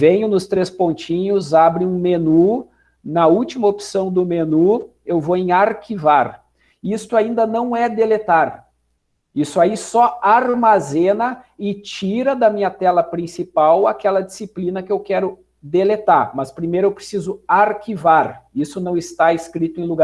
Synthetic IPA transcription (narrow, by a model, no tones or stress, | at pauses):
vẽɲʊnʊst̪ɾespõnt͡ʃĩɲʊzabɾɪ̃ũmenu | nɐuwt͡ʃimɐopsɐ̃w̃d̪ʊmenu | ewvoẽj̃aɾkivaɾ | ist̪ʊaĩnd̪ɐnɐ̃w̃ɛd̪elet̪aɾ | isʊaisɔaɾmazẽnɐɪt͡ʃiɾɐd̪ɐmĩɲɐt̪ɛlɐpɾĩsipawakɛlɐd͡ʒisiplĩnɐkɪewkɛɾʊ | d̪elet̪aɾmɐspɾimejɾʊewpɾesizʊaɾkivaɾisʊnɐ̃w̃ɪst̪aɪskɾit̪ʊẽluɡa